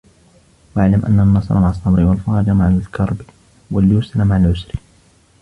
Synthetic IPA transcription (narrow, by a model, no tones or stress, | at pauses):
waʕlamʔa̰nːanːɑsˤɑ̰ɾˤmaʕɑsˤːɑmɾiwalfɑːɾˤɑd͡ʒamaʕakɑɾˤbi | waljuːslamaʕalʕʊsɾi